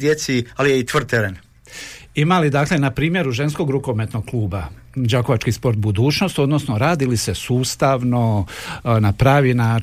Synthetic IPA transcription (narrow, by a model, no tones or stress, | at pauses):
d̪jet̪sialijeit̪ʋr̩d̪̚t̪eɾen | imalid̪akle̞napɾiːmje̞ɾuʒe̞nsko̞ɡɾuko̞me̞t̪no̞ɡ̚klˠuːba | d͡ʑako̞at͡ʃkispo̞ɾt̪̚bud̪uːt͡ʃno̞st̪o̞d̪no̞snoɾaːd̪ilise̞suːst̪aʋno̞ | napɾaːʋinaː